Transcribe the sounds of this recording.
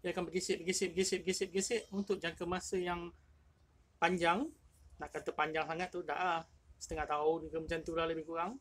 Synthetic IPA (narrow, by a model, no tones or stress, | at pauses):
jaakanbəɡisɪʔ̚bəɡisɪʔ̚bəɡisɪʔbəɡisɪʔ̚bəɡisɪʔunt̪ʊk̚d͡ʒaŋkəmasəjaŋ | paɲd͡ʒaŋnaʔkat̪əpaɲd͡ʒaŋsaŋat̪̚ːuda̰ʔasə̥t̪əŋaht̪aʊd͡ʒuɡəmat͡ʃant̪uɾahləbɪhkuɣaŋ